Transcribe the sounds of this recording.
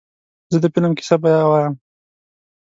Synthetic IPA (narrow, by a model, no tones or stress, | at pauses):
zəd̪əpinamki̥sabajawajam